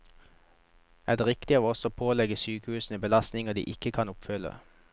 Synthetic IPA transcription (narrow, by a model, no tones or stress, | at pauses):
æːd̪eːʁɪkt̪ɪəʋɔsoːpʰoːlɛɡəsyːkəhʉːsn̩əbəlɑst̪nɪŋəd̪ḭːʔɪkəkʰɑnʊpfʏlə̰